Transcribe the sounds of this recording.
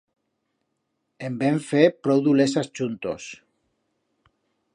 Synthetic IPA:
embeɱfepɾowðulesast͡ʃunt̪o̰s

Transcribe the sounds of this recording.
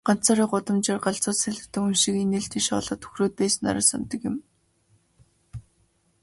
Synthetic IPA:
ɢ̥an̥t͡saːɾiːɢʊt̪ə̆mt͡ɕărɢaɮt͡sʊːt̪sæɮɘ̥̆t̪ɘ̆kɵnʃĭkeneːɬt̪ʰiːʃɔ̰ːɮɞ̆t̪ʰɵ̥xroːt̪̚pæːsɘ̆na̰ɾăsa̰nt̪ə̆kjɪ̆m

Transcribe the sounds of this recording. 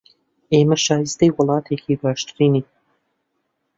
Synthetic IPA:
eːmɐʃaːjizd̪ɐjwɐlˠɑːt̪ʰeːkʰiːbaːʃt̪ɾiːni

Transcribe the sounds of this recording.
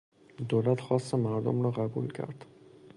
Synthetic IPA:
d̪oːlæt̪xɒːst̪emæɾd̪o̰mɾɒːɣæbṵlcʰæ̰ɾd̪̥

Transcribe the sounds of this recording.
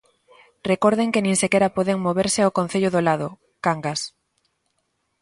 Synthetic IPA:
rekoɾðeŋkenĩŋsekɛɾapoðeŋmoβeɾseawkon̟θeʎoðolaðʊ | kaŋɡas

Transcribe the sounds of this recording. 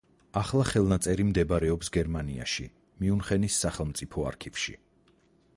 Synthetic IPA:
aχlˠaχɛlˠnat̪sʼɛɾimd̪ɛbɾɛɔpsɡɛɾmania̰ʃi | miunχɛnisːaχɛlˠmt̪sʼipʰɔa̰ɾkʰivʃḭ

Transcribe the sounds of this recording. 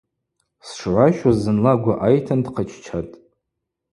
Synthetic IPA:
sʂʕʷaʃazɨnlaɡʷaʔajtʰandqʰət͡ʃʰt͡ʃʰatʼ

